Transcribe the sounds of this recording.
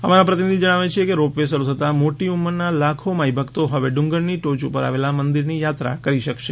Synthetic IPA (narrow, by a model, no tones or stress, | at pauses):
əmaɾapɾət̪inid̪ʱid͡ʒəɽ̃aʋet͡ʃʰiekeɾopʋesəɾut̪ʰət̪amoʈiumːəɾnalakʰomaibʱəkt̪oɦəʋeɖũŋɡəɭniʈot͡ʃupəɾa̰ʋelamənd̪iɾnijat̪ɾa̰kəɾiʃəkʃe